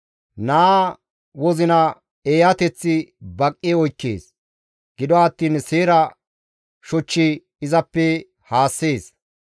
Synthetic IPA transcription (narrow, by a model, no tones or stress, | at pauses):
naː | wɔzɪnɐ | eːjɐt̪ɛt͡sːɪbɐkʼːɛɔjkːe̞̰ːs | ɡ̥ɪd̪ɔɐt̪ːiːnseːɾɐ | ʃɔt͡ʃːi | ɪzɐpːɛ | haːsːeːs